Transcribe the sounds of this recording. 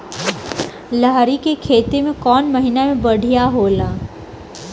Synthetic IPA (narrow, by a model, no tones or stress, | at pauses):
laɦɾikekʰeːt̪emẽkɔːnmɐɦɪnamẽbɐɽ̤ʱijaɦoːlaː